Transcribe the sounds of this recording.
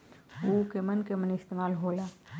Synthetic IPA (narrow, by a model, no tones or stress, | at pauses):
oːkemɐnkemɐnɪst̪eːmaːlɦoːlaː